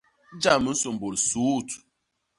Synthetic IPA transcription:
d͡ʒa˦˨mə˦n̩˦so˨m˨bo˨lsu˨˦˨t

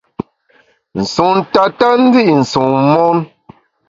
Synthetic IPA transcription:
n̩˨su˨ŋn̩˨ta˨ta˦n̩˦d͡zi˦ʔn̩˨su˨ŋmɔ˦n

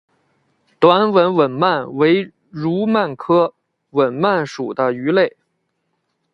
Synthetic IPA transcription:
t̪wa˧˥nwə˧˥nwə˨˩nma˥˩nwe˧˥ɪ | ɻu˧˥ma˥˩nkʰɤ˥ | wə˨˩nma˥˩nʂu˨˩d̪ə˦y˧˥le˥˩ɪ

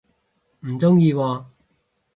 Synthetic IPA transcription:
m̩˨˩t͡sʊ˥ŋjiː˧wɔː˧

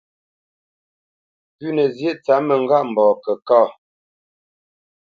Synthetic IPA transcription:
pʉ˦nə˨zje˦ʔt͡sa˨˦mə˨ŋ˨ɡa˦ʔm̩˨bɔː˨kə˨kɔː˦˨

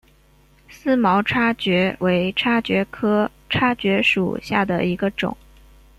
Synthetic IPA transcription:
sɹ̩˥mɑ˧˥ʊʈ͡ʂʰa˥t͡ɕɥɛ˧˥we˧˥ɪʈ͡ʂʰa˥t͡ɕɥɛ˧˥kʰɤ˥ | ʈ͡ʂʰa˥t͡ɕɥɛ˧˥ʂṵ˨˩ɕja˥˩d̪ə̰˩i˧˥ɡə˧ʈ͡ʂʊ̰˨˩˦ŋ

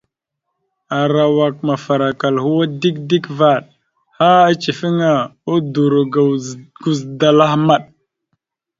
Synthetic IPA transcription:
a˨ɾa˨wa˨k̚ma˨fa˨ɾa˨ka˨lhu˦wa˦di˦kdi˦kva˦˨ɗ | ha˦a˦t͡ʃi˨fi˦ŋa˨u˦du˨ɾu˨ɡɡ̥u˨zda˨la˦hma˦ɗ

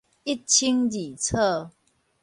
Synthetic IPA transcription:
i˦˥tt͡ɕʰi˦ŋli˨˩t͡sʰə˥˧˨

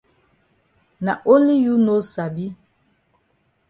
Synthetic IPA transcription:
na˨ʔo˦li˦ju˦no˦sa˨bi˦

